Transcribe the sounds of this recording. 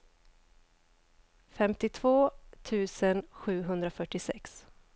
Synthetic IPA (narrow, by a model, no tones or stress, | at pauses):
fɛmt̪ɪt̪ʰvoːt̪ʰʉ̟ːsənɧʉ̟ːɦɵnd̪ɾafœʈːɪsɛ̰ks